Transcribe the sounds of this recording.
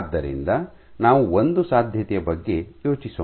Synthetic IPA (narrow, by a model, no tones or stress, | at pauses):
d̪ːɐɾḭnd̪ɐ | naːʋuond̪usaːd̪ʱjɐt̪ɛjɐbɐɡːe̞jo̞ːt͡ʃisɐ